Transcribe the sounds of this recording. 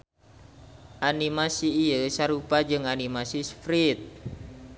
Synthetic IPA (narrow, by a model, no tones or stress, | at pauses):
ʔanimasiːəsaɾupad͡ʒɨŋanimasisfɾit̪̚